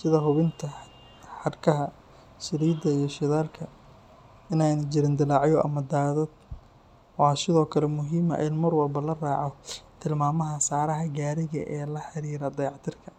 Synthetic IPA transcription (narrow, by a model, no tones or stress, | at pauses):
sɪðɐɦʊβɪnt̪ʰɐ | ħɑrkʰɐɦɐ | sɪɾiːd̪ɐijɞʃɪðaːlkʰɐ | ɪnajnɐt͡ʃɪɾɪnd̪ɪlɑʕjɔʔɐ̰mɐd̪aːðɐd̪ | wɑːsɪðɔːkʰɐlɛmʊɦiːmɐ̰ʔɪnmɐrwɐlbɐlɐraːʕɔt̪ʰɪlmaːmɐɦɐsaːɾɐɦɐɡaːɾɪɣɐ̰ʔɛːlɐħɑɾiːɾɐd̪ɐjʕt̪ʰɪrkʰɐ